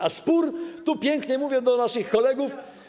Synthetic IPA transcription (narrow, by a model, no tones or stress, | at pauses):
aspuɾt̪upʲjɛŋkɲɛmuvʲjɛd̪ɔnaʂɘxkɔlɛɡuf